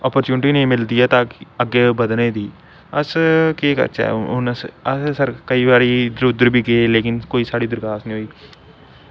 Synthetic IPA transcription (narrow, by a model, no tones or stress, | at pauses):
ɔːpəɾt͡ʃuːnɪʈiːnĩːmɪld̪iːɛːt̪ãːkəɡeːbəd̪nẽːd̪iː | əskeːkə̰ɾt͡ʃa̰ːʊnəsəssəɾkəiːbaːɾid̪ɾud̪əɾbʱiːɡeːleːkɪnkoːiːsaːɽiːd̪ɪɾkaːsnĩːɦoːiː